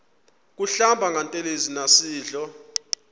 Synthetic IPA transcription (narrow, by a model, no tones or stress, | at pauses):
k̬uɬambʱaŋɡʱantʼelezinasiːɮɔ